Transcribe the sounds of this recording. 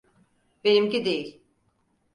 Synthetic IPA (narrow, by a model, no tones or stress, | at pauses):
benimcid̪ejilʲ